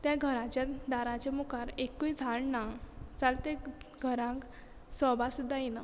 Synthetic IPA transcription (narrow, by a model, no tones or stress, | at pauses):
t̪jaɡʱəɾãt͡ɕjad̪aɾãt͡ɕemukaɾekːujd͡zʱaɭnat͡salt̪eɡʱəɾãk | sɔbasud̪ʱːajinə